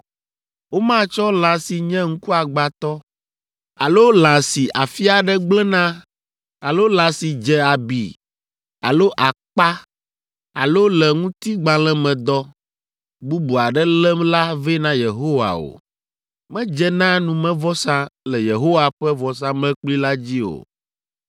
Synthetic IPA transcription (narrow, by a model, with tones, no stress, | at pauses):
wo˦mã˦t͡ʃɔ˦lã˨si˨ɲɛ̃˦ŋ̩̃˦ku˦a˨ɡ͡ba˨t̪ɔ˦ | a˨lo˦lã˨si˨ʔa˨fi˦a˨ɖɛ˦ɡ͡blɛ˦nã˦ | a˨lo˦lã˨si˨d͡ʒɛ˨a˨bḭ˨ | a˨lo˦ʔa˨k͡pa˦ | a̰˨lo˦lɛ˨ŋũ˦t̪i˦ɡ͡bã˨lɛ˦mɛ̃˨d̪ɔ˦ | bu˦bu˨a˨ɖɛ˦lɛ˦mla˦vɛ˦nã˦je˨ɦo˦wa̰˨o̰˨ | mɛ̃˦d͡ʒɛ˦nã˦nũ˨mɛ̃˦vɔ˦sã˦lɛ˨je˨ɦo˦wa˨ɸɛ˦vɔ˨s̬ã˦mɛ̃˦k͡pli˦la˦d͡ʑi˦o̰˨